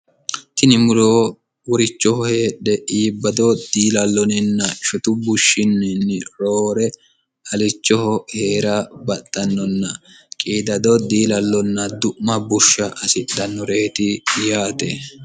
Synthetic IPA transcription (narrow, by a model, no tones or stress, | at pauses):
t̪ɪnɪmʊɾoː | wɔɾɪt͡ʃːɔhɔheːɗːɛʔiːbːɐd̪ɔd̪iːlɐlːɔnɪnːɐʃɔt̪ʊbʊʃːɪnːɪnːɪɾoːɾɛ | ɐlɪt͡ʃːɔhɔhe̞ːɾɐbɐt̪ʼːɐnːɔnːɐ | kʼiːd̪ɐd̪ɔd̪iːlɐlːɔnːɐd̪ʊʔmɐbʊʃːɐʔɐsɪdɐnːɔɾe̞ːt̪ɪjaːt̪e